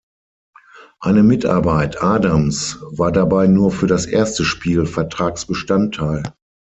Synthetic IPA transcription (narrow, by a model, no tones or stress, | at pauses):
ʔaɪnəmɪtʔa̰ɐbaɪtʔaːdamsvaːɐdabaɪnuːɐfyːɐɾasʔeːɐstəʃpiːlfɛɐtʁ̥aːksb̥əʃtantʰːaɪl